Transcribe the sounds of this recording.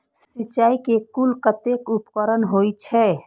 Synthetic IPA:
ssit͡ʃːaːikekulkət̪ekupkəɾənɦoit͡ʃʰɛ

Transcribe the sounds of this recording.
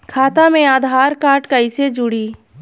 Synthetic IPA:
kʰaːt̪amẽaːd̪ʱaːɾkaːɾʈkəised͡ʒʊɽiː

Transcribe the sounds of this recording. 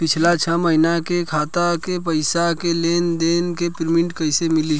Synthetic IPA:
pɪt͡ʃʰlat͡ʃʰəməɦinakekʰaːt̪akepəɪsakeleːnd̪eːnkepɾmɪ̃ɳʈkəɪsemɪli

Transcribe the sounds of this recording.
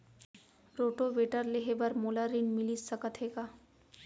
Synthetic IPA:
ɾoːʈoʋeʈəɾleɦebəɾmolaɾinmɪlissəkət̪ʰeːɡaː

